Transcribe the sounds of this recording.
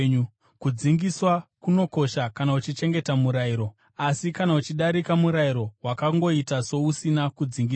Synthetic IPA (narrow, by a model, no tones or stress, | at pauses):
u | kud͡ziŋɡiswakuno̞ko̞ʃakanaut͡ʃit͡ʃe̞ŋɡe̞tamuɾaiɾo̞ | asikanaut͡ʃiɗaɾikamuɾaiɾo̞wakaŋɡo̞itaso̞usinakud͡ziŋɡi